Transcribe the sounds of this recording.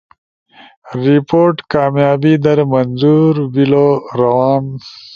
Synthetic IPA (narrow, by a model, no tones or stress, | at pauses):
ɾipoːɾʈkɑːmjɑːbid̪ɐɾmɐnzuɾwiloɾɐwɑːm